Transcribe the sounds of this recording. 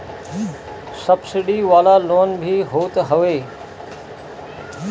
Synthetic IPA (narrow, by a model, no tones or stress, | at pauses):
sɐbsɪɖiʋaːlaloːnbʱiɦoːt̪ɦɐʋeː